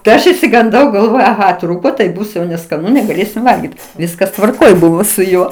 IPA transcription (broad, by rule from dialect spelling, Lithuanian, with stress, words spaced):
tɐɪ ˈɐʃ ɪʃʲsʲɪɡɐnˈdɐʊ ɡɐlˠˈʋoːjɛʊ ɐˈɣɐ ˈtruːkoː tɐɪ ˈbʊs jɛʊ nʲɛskɐˈnʊ nʲɛɡɐˈlʲeːsʲɪm ˈʋɐlʲɡʲiːt ˈʋʲɪskɐs tʋɐrˈkoːj ˈbʊʋoː sʊ ˈjuɔ